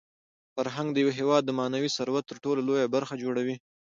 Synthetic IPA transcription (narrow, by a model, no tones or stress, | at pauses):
faɾɦaŋɡ̚d̪əjaweɦewɑd̪̚ːəmɑnawisaɾwat̪t̪ːəɾʈololojabaɾxad͡ʒoɽawi